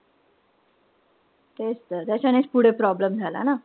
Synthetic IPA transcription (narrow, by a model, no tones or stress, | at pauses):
t̪est̪ət̪jat͡ɕanet͡spuɽ̤epɾɔbləmd͡zʱala̰na